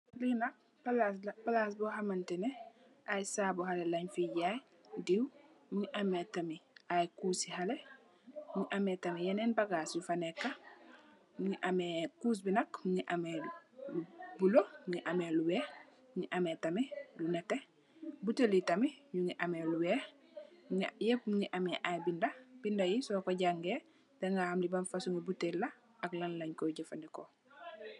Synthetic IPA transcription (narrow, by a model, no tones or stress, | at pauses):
linɐk̚ | palaspalas̬bɔɦamantɛnɛ | ʔajsaːbɔhalelɐɲfiɟaj | diw | ɲiʔametamiʔajkuːsihale | ɲuʔametɐmijɛnenbaɡaːsjufanekːa | ŋiʔamekuːs̬binɐkuŋiʔamelubulouŋiʔameluweː | uɲiʔametamelunete | buteljitamiɲuŋiʔameluwe | jepɲiʔameʔajbindab̥indajisɔkoɟaŋɡe | deŋɡahamlibanfasuŋɡebutelːa | aklanlaɲkoɟefandiko